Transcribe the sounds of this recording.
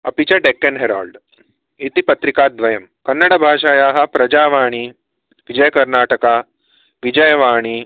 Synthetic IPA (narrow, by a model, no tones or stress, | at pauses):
ɐpit͡ɕaɖekːenɦeɾaːlɖ | it̪ipɐt̪ɾikaːd̪ʋɐjɐmkɐnːɐɽɐbʱaːʃaːjaːɦɐ̆pɾɐd͡ʒaːʋaːɽ̃iː | ʋid͡ʒɐjəkɐɾnaːʈəka | ʋid͡ʑɐjʋaːɽ̃i